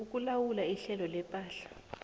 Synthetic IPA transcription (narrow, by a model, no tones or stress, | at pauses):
uk̬ʼulawulaiɬɛlɔlɛpʼaːɬḁ